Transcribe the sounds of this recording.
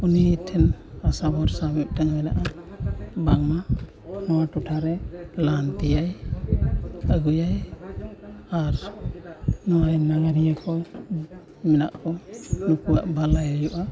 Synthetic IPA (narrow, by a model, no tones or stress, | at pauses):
unitʰɛnasabɔɾsabɛp̚taŋmɛnaʔa | baŋma | nɔwatutʰaɾɛlantijaj | aɡujaj | aɾ | nɔwajnaɡaɾijakʰɔj | mɛna̰ʔkʰɔnukuwaʔbʱalajajuʔa